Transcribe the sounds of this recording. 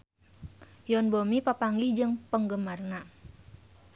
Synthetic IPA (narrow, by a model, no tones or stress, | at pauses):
jɔnbomipapaŋɡid͡ʒɨŋpəŋɡəmarna